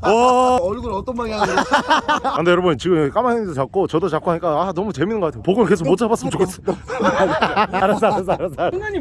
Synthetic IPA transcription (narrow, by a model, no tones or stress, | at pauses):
ʌʌɭɡuɾʌt͈ʌnmaɡia | and̪ejʌɾʌbunt͡ɕiɡɯmk͈amaedt͡ɕak͈ot͡ɕʌdot͡ɕak͈oaɲik͈aanʌmut͡ɕe̞minːɯŋɡʌkatʰejopoɡonke̞s̬ʰokmot͡ɕ͈ʰabas͈ɯmɯnt͡ɕok͈ʰːes͈ | aɾes͈aɾes̬͈aɾes͈